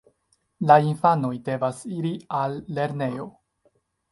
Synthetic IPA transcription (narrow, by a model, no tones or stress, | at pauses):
lainfano̞jde̞vasiɾialːe̞ɾne̞jo̞